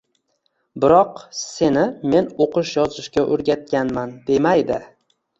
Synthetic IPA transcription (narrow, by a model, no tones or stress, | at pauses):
bɪɾɒqse̞nɪme̞noqɨʃjɒzɪʃkʲaʔoɾɡʲat̪̚kʲanmand̪e̞majd̪ɪ